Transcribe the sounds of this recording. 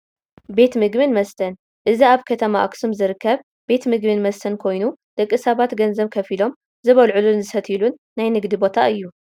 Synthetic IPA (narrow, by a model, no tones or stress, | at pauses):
be̞t̪mɨɡbɨnmɐst̪ʰɐn | ʔɨziaβkʰɐt̪ʰɐmaʔaksumzɨɾɨkːɐβ | b̥e̞t̪mɨɡbɨnmɐst̪ʰɐnkʰo̞jnud̪̥ɐkʼːɨsɐβat̪ɡɐnzɐβkʰɐfilo̞m | zɨβɐlʕulunzɨsɐt̪ʰilunːajnɨɡd̪ibo̞t̪ʰaɨjːu